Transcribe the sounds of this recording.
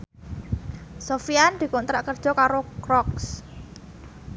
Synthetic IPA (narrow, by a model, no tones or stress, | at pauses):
sofiand̪̥i̤kont̪ɾaʔkərd̥ʒ̥ɔ̤kaɾokɾɔks